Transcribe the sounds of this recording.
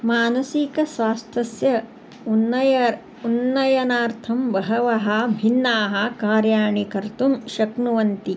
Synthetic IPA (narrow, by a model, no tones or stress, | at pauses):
maːnɐsikɐsʋaːst̪ʰɐsjɐ | unːɐjɐ | unːɐjɐnaːɾt̪ʰɐmbɐɦɐʋɐɦɐbʱinːaːɦɐkaːɾjaːɳikɐɾt̪umʃɐknuʋɐnt̪i